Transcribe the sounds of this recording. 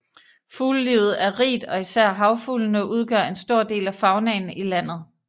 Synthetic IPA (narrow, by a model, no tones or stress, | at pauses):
fuːlːiːʊð̞̩ˠæɐʁḭːd̥ɒ̽isæɐ̰ɦɑ̈ʊfulnəʔuð̞ˠɡ̥ɶɐ̰e̝nsd̥o̝ɐ̰d̥e̝̰ːlæfɑ̈ʊnɛːn̩ilæn̰ð̞̩ˠ